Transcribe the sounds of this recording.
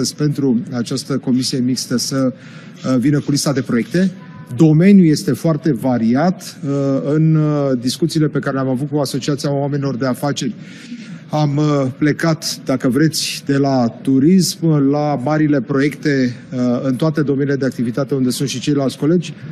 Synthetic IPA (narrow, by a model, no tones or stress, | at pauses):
əzʲpe̞nt̪ɾuat͡ʃast̪əko̞misije̞mikst̪əsə | vinəkulist̪ad̪e̞pɾo̞je̞k̚t̪e̞ | d̪o̞me̞nʲjuje̞st̪e̞foart̪e̞vaɾiat̪ɨnd̪iskut̪sile̞pe̞kaɾe̞lʲamavut̪̚kuaso̞t͡ʃiat̪siaowame̞nilord̪e̞afat͡ʃe̞rʲ | ample̞kat̪d̪akəvɾe̞t̪sʲd̪e̞lat̪uɾismlamaɾile̞pɾo̞je̞kt̪e̞ɨnt̪oat̪e̞d̪o̞me̞niled̪eak̚t̪ivit̪at̪e̞und̪e̞sunt̪ʃit͡ʃe̞jlalt̪sʲko̞le̞d͡ʒʲ